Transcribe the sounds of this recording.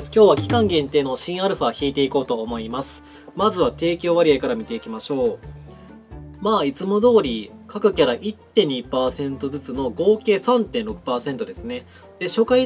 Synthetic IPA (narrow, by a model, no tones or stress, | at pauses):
skʲo̞ːβakʲi̥kãŋɡẽ̞nt̪eːno̞ɕĩɰ̃aɾɯ̟ɸaçiːt̪e̞iko̞ːt̪o̞ːmo̞imasɨ̥ | mazɨβat̪e̞ːkʲoβaɾʲiaikaɾamʲit̪e̞ikʲimaɕo̞ː | maːit͡sɨmo̞d̪o̞ːɾʲikakɯ̟kʲaɾaʔit̪ːẽ̞ɲ̟ːipaːsẽ̞nt̪o̞zɨt͡sɨno̞ɡo̞ːke̞ːsãnt̪ẽnɾo̞kɯ̟̥paːsẽ̞nt̪o̞d̪e̞sɨne̞ | d̪̥e̞ɕo̞kai